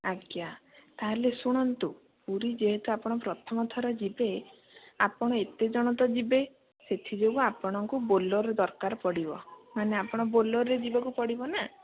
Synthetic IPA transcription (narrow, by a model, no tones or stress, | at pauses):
aɡjat̪aɦalesuɽ̃ɔnt̪u | puɾid͡ʒeɦet̪uapɔɽ̃ɔpɾɔt̪ʰɔmɔt̪ʰɔɾɔd͡ʒibe | apɔɽ̃ɔet̪ed͡ʒɔɽ̃ɔt̪ɔd͡ʒibe | set̪ʰid͡ʒoɡuapɔɽ̃ɔŋkubolɔɾd̪ɔɾkaɾɔpɔɽibɔmaneapɔɽ̃ɔboloɾed͡ʒibɔkupɔɽibɔna